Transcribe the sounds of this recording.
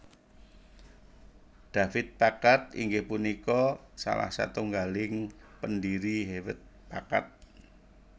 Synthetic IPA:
d̪̥afɪt̪̚pakat̪ḭŋɡehpunikɔsa̰la̰hsa̰t̪uŋɡalɪŋpəndiɾiɦewət̪̚paka̰t̪̚

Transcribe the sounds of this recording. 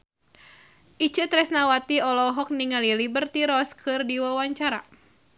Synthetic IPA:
ʔit͡ʃɨt̪ɾɛsnawat̪iɔlɔɦɔk̚niŋalilibərt̪iɾɔskʰɨrdiwawaɲt͡ʃaɾa̰

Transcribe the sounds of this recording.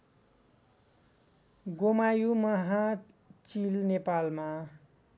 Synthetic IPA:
ɡomajumʌɦã | t͡silnepalma

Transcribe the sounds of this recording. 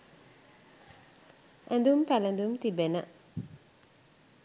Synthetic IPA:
ʔænd̪umpælend̪umt̪ibenə̰

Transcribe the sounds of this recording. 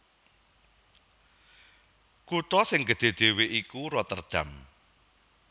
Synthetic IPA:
kut̪ɔsɪŋɡə̤d̪̥e̤d̪̥e̤weʔikuɾɔt̪ərd̪̥äm

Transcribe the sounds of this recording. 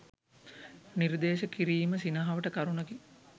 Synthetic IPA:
niɾd̪eːʃəkiɾiːməsinɐɦaʋəʈəkaɾunəɡi

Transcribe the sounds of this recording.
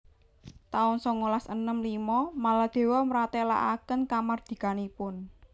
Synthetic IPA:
t̪aʊnsɔŋolasənəmlimɔmalad̪̥e̤wɔmɾat̪ela̰ʔa̰kənkamard̪̥i̤kanipʊn

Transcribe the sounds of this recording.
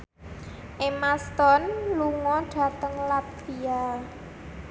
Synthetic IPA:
ʔemast̪ɔnluŋɔɖ̥ä̤t̪əŋlat̪via

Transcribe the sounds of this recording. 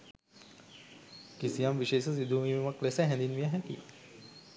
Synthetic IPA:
kisijamʋiʃeːsəs̬id̪ʱuːmiːumɐklesəɦɛ̃nd̪inʋijəɦɛkḭ

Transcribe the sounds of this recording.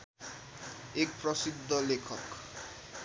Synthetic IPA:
ek̚prʌsid̪ʱːʌlekʰʌk

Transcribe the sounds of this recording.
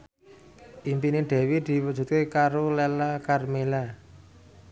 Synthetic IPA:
ʔimpineɖ̪̥ɛ̤wid̪̥i̤wud̥ʒ̥ṳt̪̚kekaɾolɛlakarmela

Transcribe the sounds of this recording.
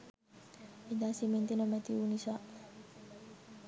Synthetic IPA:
iɲd̪asimint̪inomet̪iunisaʔ

